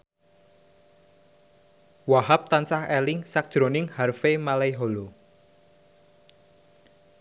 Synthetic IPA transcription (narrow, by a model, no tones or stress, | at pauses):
waɦap̚t̪ansahɛlɪŋsak̚d̥ʒ̥ɾonɪŋharfemalaiɦolo